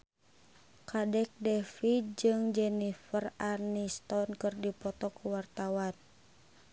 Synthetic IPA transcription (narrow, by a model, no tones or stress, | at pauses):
kʰadɛk̚dɛfid͡ʒɨŋd͡ʒɛnifəranist̪ɔnkɨrdipɔt̪ɔkuwart̪awan